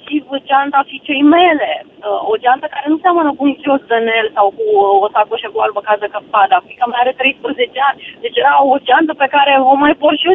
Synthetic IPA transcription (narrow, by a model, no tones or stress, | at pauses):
ʃiəd͡ʒʲant̪afit͡ʃejmele | od͡ʒant̪əkaɾe̞nuseamənəkuuŋkʲiosd̪ənelsawkuosakoʃekualbəkazəkəpad̪akikəmajaɾet̪ɾejspɾəzet͡ʃeanʲd̪e̞t͡ʃjeɾaod͡ʒant̪əpekaɾevomajporʃio